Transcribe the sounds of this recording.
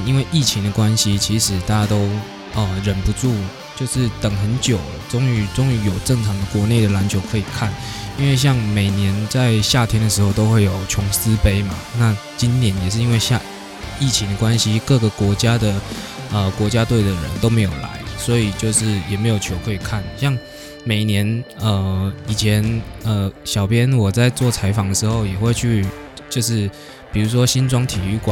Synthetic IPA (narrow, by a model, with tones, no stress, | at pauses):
i˥nwe˥˧ɪʔi˥˩t͡ɕʰi˧˥ŋd̪ə˨kwa˦nɕi˨˧t͡ɕʰi˧˥ʂɻ̩˨˩t̪a˥˩t͡ɕja˥t̪o˥ʊ | ə˩ɻə˨˩npu˧˦ʈ͡ʂu˥˩ | t͡ɕjo˥˧ʊʂɻ̩˥˩t̪ə˨˩ŋxə˧˦nt͡ɕjo˨˩ʊ | ʈ͡ʂʊ˥ŋy˧˥ʈ͡ʂʊ˥ŋy˧˥jo˨˩ʊʈ͡ʂɤ˥˩ŋt͡sʰɑ˧˥ŋd̪ə˨kwɔ˧˥ne˥˩ɪd̪ə˩la˧˥nt͡ɕʰjo˧˥ʊkʰɤ˧˥i˨˩kʰa˥˩ni˥nwe˥˧ɪɕ̬jɑ˥˩ŋme˨˩ɪnjɛ˧˦nt͡sa˥˧ɪɕja˥˩t̪ʰjɛ˥nd̪ə˨ʂ̬ɻ̩˧˥xo˥˧ʊt̪o˥ʊxwe˥˩ɪjo˨˩ʊt͡ɕʰʊ˧˥ŋsɹ̩˥˦pe˥ɪma˨na˥˨t͡ɕi˦nt̪jɛ˧˥njɛ˨˩ʂɻ̩˥˩i˦˥nwe˥˧ɪɕja˥˧ | i˥˩t͡ɕʰi˧˥ŋd̪ə˨kwa˦nɕi˦kɤ˥˩ɡə˨˩kwɔ˧˥t͡ɕja˥d̪ə˨ə˨kwɔ˧˥t͡ɕja˥t̪we˥˩ɪd̪ə˩ɻə̰˧˦nt̪o˥ʊme˧˥ɪjo˨˩ʊla̰˧˦ɪswɔ˧˥i˨˩t͡ɕjo˥˧ʊʂɻ̩˥˩jɛ˨˩me˧˥ɪjo˨˩ʊt͡ɕʰjo˧˥ʊkʰɤ˧˥i˨˩kʰa˥˩nɕjɑ˥˩ŋ | me˨˩ɪnjɛ˧˦nə˩i˨˩t͡ɕʰjɛ˧˦nə˨ɕɑ˨˩ʊpʰjɛ˦˥nwɔ˨˩t͡sa˥˧ɪt͡swɔ˥˩t͡sʰa˧˥ɪfɑ˨˥ŋd̪ə˩ʂɻ̩˧˥xo˥˩ʊjɛ˨˩xwe˥˧ɪt͡ɕʰy˥˧ | t͡ɕjo˥˧ʊʂ̬ɻ̩˥˩ | pi˨˩ɻu˧˥ʂ̬wɔ˦ɕi˦nt͡swɑ˥ŋt̪ʰi˨˩y˥˩kw